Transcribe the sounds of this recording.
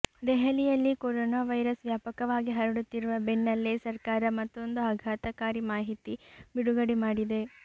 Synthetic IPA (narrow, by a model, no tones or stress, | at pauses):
d̪ɛɦɐlijɐlːikoɾoːnaːʋɐjɾɐsʋjaːpɐkɐʋaːɡiɦɐɾɐɽut̪ːiɾuʋɐbeɳːɐlːisɐɾkaːɾɐmɐt̪ːo̞nd̪uɐɡʱaːt̪ɐkaːɾimaːɦit̪ibiɽuɡɐɽimaːɽid̪e̞